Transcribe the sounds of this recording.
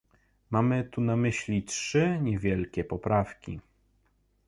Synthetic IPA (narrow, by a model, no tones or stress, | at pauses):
mamɘt̪unamɘɕlʲitʂɘɲɛvʲjɛlkʲɛpɔpɾafkʲḭ